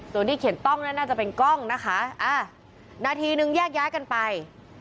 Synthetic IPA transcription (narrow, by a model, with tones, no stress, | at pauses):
su˧ənt̪ʰiː˥˩kʰi˩˦ənt̪ɔ˥˩ŋna˦˥˩naː˥˩t͡ɕa˨˩pe˧nkɔ˥˩ŋna˦˥kʰa˦˥ʔaː˧˩ | naː˧t̪ʰiː˧nɯ˧ŋjaː˥˩k̚jaː˦˥jka˧npa˧j